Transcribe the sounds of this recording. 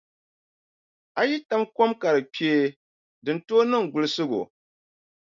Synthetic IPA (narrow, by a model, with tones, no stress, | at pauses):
a˨ji˦ta˦mko˦mka˨ɾɨ˨pe˦ | dɨ˨n̩˨toː˦nɨ˦ŋ˨ɡʊ˨lɨ˨sɨ˦ɡo̰˨